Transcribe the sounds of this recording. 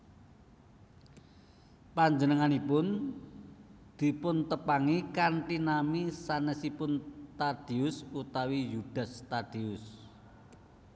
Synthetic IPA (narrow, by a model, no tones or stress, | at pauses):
paɲd͡ʒənəŋanipʊn | d̪̥i̤pʊnt̪əpaŋikanʈinamisanəsipʊnt̪ad̪̥i̤ʊsut̪awijud̥a̤st̪ad̥iʊs